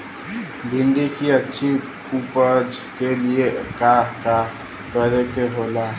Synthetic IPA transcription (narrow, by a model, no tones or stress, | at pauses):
bʱiɳɖikiətːʃʰi | kupəɾd͡ʒ | keliekaka | kəɾekeɦola